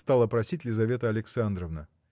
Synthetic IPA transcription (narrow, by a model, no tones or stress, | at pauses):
st̪alˠəpɾɐsʲitʲlʲɪzɐvʲe̞t̪əɐlʲɪksand̪ɾəvnə